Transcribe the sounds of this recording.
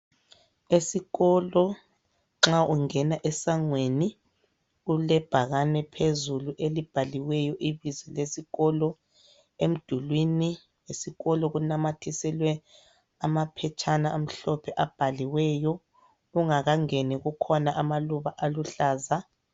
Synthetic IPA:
esiɣɔlɔ | ŋ͡ǁaʔuŋɛnaʔɛsaŋweni | ulɛb̥ʱaɣanɛpʰezuluʔelib̥ʱaliwɛjɔʔiβizɛlesiɣɔlɔ | em̩d̥ʱulwini | esiɣɔlɔɣunamatʰisɛlwɛ | amapʰɛt͡ʃʰʼanaam̩ɬɔpʰɛʔab̥ʱaliwɛjɔ | uŋaɣaŋeniɣukʰɔnaʔamaluβaʔaluɬaːza

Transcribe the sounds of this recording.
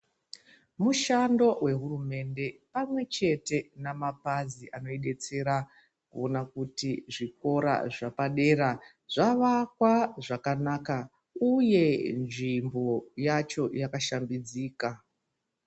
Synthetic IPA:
muʃando̞we̞ɦurume̞nde̞pamwe̞t͡ʃe̞te̞namapaziʔano̞iɗe̞t͡se̞ɾa | kṵonakutiʐik̚o̞ɾa̰ʐapaɗe̞ːɾa | ʐ̥aʋakwaʐakanaːka | uje̞nʐimbo̞jat͡ʃo̞jakaʃambid͡ziːka

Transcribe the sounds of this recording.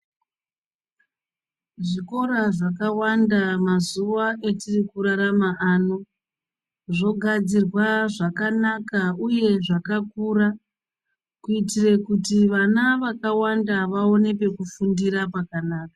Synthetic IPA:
ʐiko̞ɾaʐakawandamazuʋaʔe̞tirikuɾaɾamaʔaːno̞ | ʐo̞ɡʱad͡zirwaʐakanakauje̞ʐakakuɾa | kuitire̞kutiʋanaʋakawandaʋao̞ne̞pe̞kufundiɾapakanaːka

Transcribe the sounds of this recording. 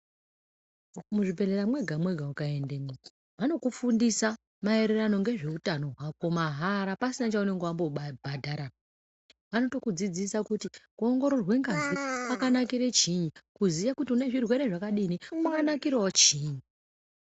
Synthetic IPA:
muʐibʱe̞leɾamwe̞ɡʱamwe̞ɡʱaukaendemei | ʋano̞kufundisa | mae̞ɾerano̞ŋɡe̞ʐe̞utano̞ɦwako̞maɦaɾapasinat͡ʃaune̞ŋɡeambobʱadʱaɾa | ʋano̞to̞kud͡zid͡zisakutikuoŋɡo̞ɾo̞rwe̞ŋɡazipakanakiɾet͡ʃiɲikuzijakutiune̞ʐirwe̞ɾe̞ʐakaɗinimakanakirwat͡ʃiːɲu

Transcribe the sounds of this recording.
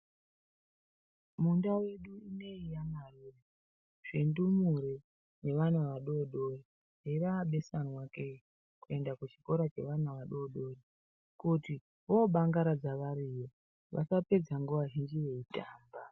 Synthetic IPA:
mundawe̞ɗuine̞ijanarure | ʐ̥endumuɾe | ne̞ʋanaʋaɗoɗo̞ri | ɦeraːɓe̞sanwake | kue̞ndakut͡ʃi̥ko̞ɾat͡ʃe̞̰ʋanaʋaɗo̞ɗo̞ri | kuti | ɦoɓaŋɡaɾad͡zaʋaɾiːjo̞ | ʋa̰sape̞d͡zaŋɡuʋaɦind͡ʒiʋe̞itaːmba

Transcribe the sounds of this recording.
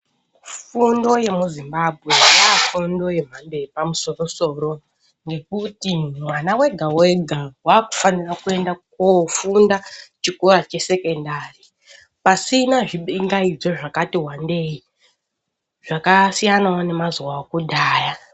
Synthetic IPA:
fundo̞je̞muzimbabʱɣe̞aafundo̞je̞m̤ande̞ipamuso̞ro̞so̞ːɾo̞ | ŋɡe̞kutimwanawe̞ɡʱaweɡʱawaːku̥fanirakue̞ndakofundat͡ʃikoɾat͡ʃe̞se̞ke̞ndari | pasinaʐiɓiŋɡaid͡zo̞ʐakatiɦwande̞i | ʐ̥akasijanawone̞mazuwaokuɗaːja

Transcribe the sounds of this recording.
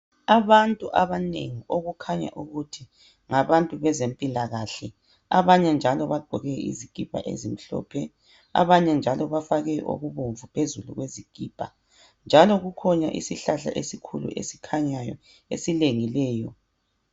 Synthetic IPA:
aβantʼuʔaβanḛŋioɣukʰaɲa̰ʔuɣutʰi | ŋaβantʼuβɛzempʼilaɣaɬɛ | a̰βaɲɛnd͡ʒʱalɔβaɡ͡ǃʱɔɣɛḭziɡ̥ʱib̥ʱa̰ʔḛzim̩ɬɔ̰ːpʰɛ | a̰βaɲɛnd͡ʒʱalɔβafaɣɛʔo̰ɣuβoɱvupʰezulṵɣweziɡ̥ʼʱiːb̥ʱa̰ | nd͡ʒʱalɔɣukʰɔɲaʔḭsiɬaɬa̰ʔesikʰulṵʔḛsi̥kʰaɲajɔ̰ | esileŋilɛːjɔ̰

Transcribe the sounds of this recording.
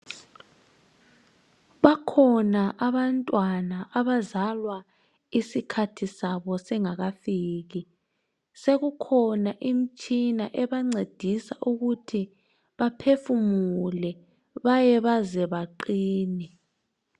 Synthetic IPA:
βakʰɔnaʔaβantʼwanaʔaβazalwa | isikʰatʰisaβɔsɛŋaɣafiːɣi | seɣukʰɔnaʔim̩t͡ʃʼinaʔɛβaŋ͡ǀed̥ʱisaʔuɣutʰi | βapʰefumulɛ | βajɛβazɛβaǃiːnɛ

